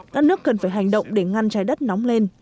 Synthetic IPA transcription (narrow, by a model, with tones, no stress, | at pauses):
kaː˦˥k̚nɨ˦˥əkːə˨˩nfaː˧˩jɦa˨˩jŋ̟ɗə̰˧˨wŋ͡mɗe˧˩ŋa˧nt͡ɕaː˨˦jɗə˦˥t̚nɔ˨˦wŋ͡mle˧n